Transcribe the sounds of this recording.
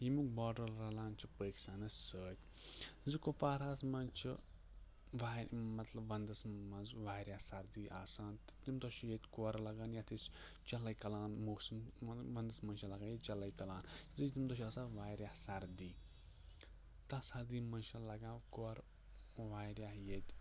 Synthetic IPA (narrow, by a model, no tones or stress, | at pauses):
jimukbaːɖɐlɾɐlaːnt͡ʃʰipəːksaːnɐsəːt̪ʲ | zɨkofaːɾaːsmɐnt͡ʃʰḭ | ʋaːmɐt̪lɐbʋɐnd̪ɐsmɐnzʋaːɾjasɐɾd̪iːʔaːsaːnt̪ɨ̥t̪imd̪oʃijet̪ʲkuɐɾlɐɡaːnjat̪ʰis | t͡ʃɐlɐjkɐlaːnmoːsimʋɐnd̪ɐsmɐnʃʰɐlɐɡaːnjet͡ʃɐlɐjkɐlaːnzɨt̪imd̪oʃiaːsãːʋaːɾjahsɐɾd̪iː | t̪aːsɐɾd̪iːmɐnʃɐlɐɡãːkoɐɾ | ʋaːɾʲjahjet̪ʲ